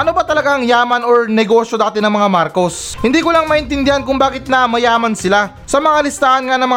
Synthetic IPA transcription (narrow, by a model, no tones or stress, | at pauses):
ʔɐnobɐt̪ɐlɐɡaŋjaːmɐnoɹnɛɡo̞ʃjod̪aːt̪ɪnɐŋmɐŋamaɾko̞s | hɪnd̪iːkʊlaŋmɐʔɪnt̪ɪnd̪ɪhankʊŋbaːkɪt̪̚nɐmɐjaːmɐnsɪla | sɐmɐŋalɪst̪aːhɐnŋanɐŋmɐ